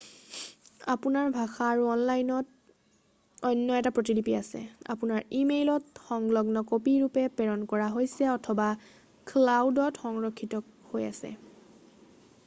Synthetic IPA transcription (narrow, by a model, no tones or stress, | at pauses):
apunaɹbʱaxaːɹuɔnlajnɔt̚ | ɔjnːɔɛtapɹot̬idipiasɛ̰a̰punaɹimejlɔtxɔŋlɔɡnɔkopiɹupɛpɛɹɔnkɔɹaɦojsɛɔtʰɔba | kʰlawdɔtxɔŋɹɔkʰːitɔ | hoja̰sɛ̰